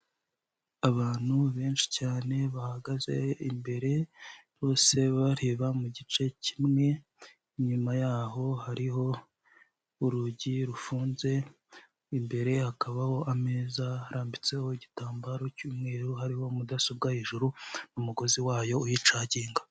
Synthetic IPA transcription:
aβaːn̥huβe̞ːnʃi̥caːne̞βahaɡaze̞imbe̞ɾe̞ɾo̞ːse̞βaɾeːβamuɟit͡ʃe̞cimŋe̞ | iɲumajaːɦo̞haɾiho̞ | uɾuɟiɾufuːnze̞ | imbe̞ɾe̞hakaβaho̞ʔamezahaɾaːmbit͡se̞ho̞ɟitaːmbaɾocuːmŋe̞ːɾuhaɾiho̞mudasob̚ɡaheːʒuɾunumuɡo̞ziwaːjo̞ujit͡ʃaːɟiːŋɡa

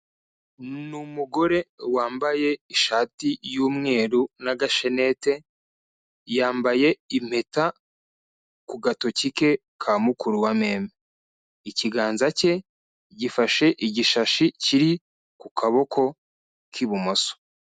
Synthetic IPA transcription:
numuɡo̞ɾe̞waːmbaje̞iʃaːtijuːmŋe̞ːɾunaɡaʃe̞ne̞te̞ | jaːmbaje̞im̥he̞ta | kuɡato̞cike̞ | kʰamukuɾuwameːme | iciɡaːnzace̞ | ɟifaʃe̞ʔiɟiʃaʃiciɾi | kukʰaβo̞kʰo̞ | kʰiβumoso̥

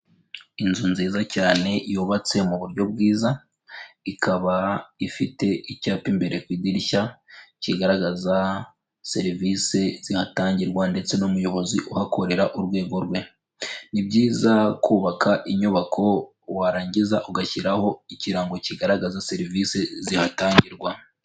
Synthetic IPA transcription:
inzunziːzacaːne̞juːβat͡se̞muβuɾɟo̞b̚ɡiːza | ikʰaβaifite̞ʔicaːpimbe̞ɾʔe̞kwiːdiɾiçaciɡaɾaɡaza | se̞ɾivise̞z̥ihataːɲɟiɾɡwande̞t͡se̞numujo̞βo̞ziʔuhakʰo̞ɾe̞ɾaʔuɾwe̞ːɡo̞ɾɡwe̞ | nibɟiːzakuːβakʰaʔiɲuβakʰo̞ | waɾaːɲɟizaʔuɡaçiɾaho̞iciɾaːŋɡo̞ciɡaɾaɡazase̞ɾivise̞zihataːɲɟiɾɡwa

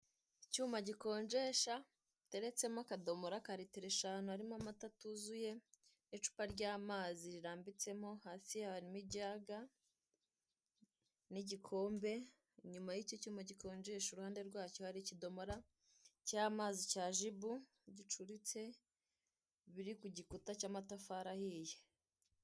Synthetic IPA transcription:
icuːmbaɟiko̞ːɲd͡ʒe̞ʃa | te̞ɾe̞t͡se̞mokado̞moɾakaɾitiɾeʃaːnuaɾimoamatatuzuje̞nit͡ʃu̥paɾɟaːmaːziɾiɾaːmbit͡se̞mo̞haːsiaβaɾimibɟaːɡa | niɟikʰo̞ːmbe̞ | ɲumajicocimoɟikʰo̞ːnd͡ʒeʃuɾuhaːnde̞ɾɡwaːco̞haɾicido̞moɾa | caːmaːzicaːʒibu | ɟit͡ʃuɾit͡se̞ | βiɾikuɟikutacaːmatafaːɾahije

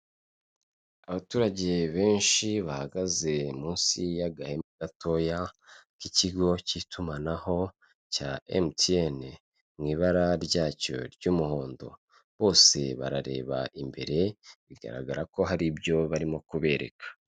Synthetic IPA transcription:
aβatuːɾaɟe̞βe̞ːnʃiβahaɡaze̞muːnsijaɡahe̞mɡato̞jakiciɡo̞citumanaho̞ | caḛmtien | mŋiːβaɾaɾɟaːco̞̰ɾɟuːmuho̞ːndo̞̰ | βo̞ːse̞̰βa̰ɾaɾe̞̰ːβa̰ʔimbe̞̰ɾe̞βiɡa̰ɾa̰ɡaɾako̞ɦaɾibjo̞βaɾimo̞kuβe̞ɾe̞̰kʰḁ

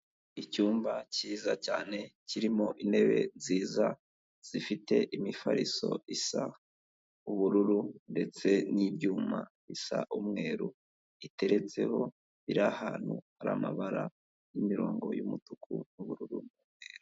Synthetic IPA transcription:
icuːmbaciːzacaːne̞ciɾimo̞ʔine̞βe̞ziːza | z̥ifite̞ʔimifaɾiso̞̰ʔisa | uβuɾuɾunde̞t͡se̞nibjuːmaβisaʔumŋe̞ːɾu | ite̞ɾe̞t͡se̞ho̞ | βiɾahaːn̥huhaɾamaβaɾa | jimiɾo̞̰ːŋɡo̞jumutukʰṵnuβuɾuɾunumŋeːɾu

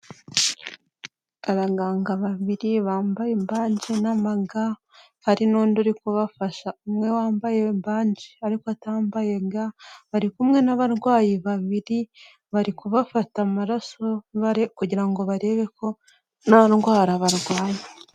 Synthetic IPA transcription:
aβaɡaːŋɡaβaβiɾiβaːmbajembaːɲɟenamaɡa | haɾinoːnduɾikuβafaʃaumŋe̞waːmbaje̞mbaːɲɟeaɾikoataːmbajeɡaβaɾikumŋe̞naβaɾɡwaːjiβaβiɾi | βaɾikuβafatamaɾasoβaɾekuɟiɾaŋɡo̞βaɾe̞ːβe̞ko̞ | nanɡwaːɾaβaɾɡwaːje

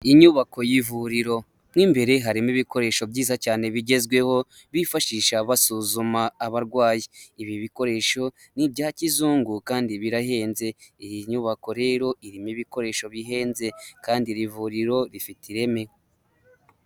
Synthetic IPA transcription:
iɲuβako̞jivuɾiɾo̞ | mŋiːmbe̞ɾe̞ɦaɾimiβiko̞ɾe̞ːʃo̞bɟiːzacaːne̞βiɟe̞zɡwe̞ho̞ | βifaʃiːʃaβasuzumaːβaɾɡwaːjiiβiβiko̞ɾe̞ːʃo̞ | nibɟaːcizuːŋɡukaːndiβiɾahe̞ːnze̞ijiɲuβako̞ɾe̞ːɾo̞ʔiɾimiβiko̞ɾe̞ːʃo̞βiɦe̞ːnze̞kaːndiɾivuɾiɾo̞ɾifitʰiɾe̞me̞

